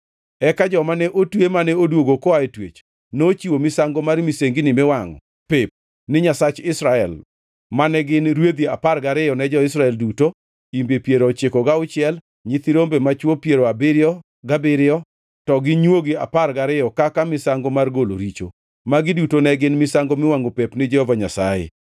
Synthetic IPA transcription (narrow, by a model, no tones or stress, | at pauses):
ɛkad͡ʒɔmanɛʔotwemanɛodwoɡokɔaetwḛt͡ʃ | not͡ʃiwomɪsaŋɡomarmiseŋɡinɪmɛwaŋɔ̰ | pɪp̚ | nɪɲasat͡ʃɪsɾaɛl | manɛɡɪnɾwed̪iaparɡaɾɪjɔnɛd͡ʒɔɪs̬ɾaɛlduto | imbepjeɾɔt͡ʃekɔɡaʊt͡ʃɪɛl | ɲɪt̪ɪɾombemat͡ʃwopjeɾoabɪɾɪɔ | ɡabɪɾɪɔ | tɔɡɪɲwoɡɪaparɡaɾɪjɔkakamɪsaŋɡomarɡolo̰ɾit͡ʃo | maɡɪdutonɛɡɪnmɪsaŋɡomɪwaŋɔpepnɪd͡ʒɛhɔvaɲasa̰jḛ